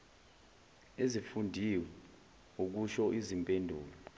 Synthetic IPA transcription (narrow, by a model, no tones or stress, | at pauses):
ezifundʱiwɛ | uk̬uʃɔʔizimpʼendʱṵːla